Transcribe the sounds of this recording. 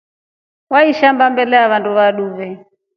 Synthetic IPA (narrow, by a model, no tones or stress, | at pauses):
waiʃambambɛlɛaβanduβaɗuvɛ